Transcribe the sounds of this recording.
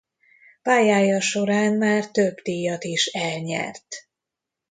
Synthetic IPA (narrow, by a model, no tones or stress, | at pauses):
paːjaːjɒʃo̞ɾaːnmaːrt̪øbt̪ijɒt̪iʃɛlɲɛ̰rt̪